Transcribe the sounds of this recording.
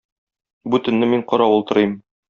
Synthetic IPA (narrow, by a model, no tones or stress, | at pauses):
bʉt̪ɘ̆nːɘmiɴqɒɾɑulˠt̪ɤ̆ɾɤjm